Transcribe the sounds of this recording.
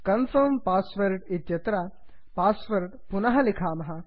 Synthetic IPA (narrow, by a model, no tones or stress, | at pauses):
kɐnfɐmpaːsʋɐɾʈit̪jɐt̪ɾa | paːsʋɐɾʈpunɐɦɐlikʰaːmɐɦɐ